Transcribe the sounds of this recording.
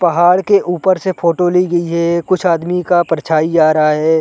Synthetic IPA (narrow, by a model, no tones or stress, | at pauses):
pɐɦaːɽkeʔuːpəɾsefʰoːʈoliɡɐiɦɛːkʊt͡ʃʰaːd̪mikapɾɐt͡ʃʰaːid͡ʒaːɾɐɦaɦɛː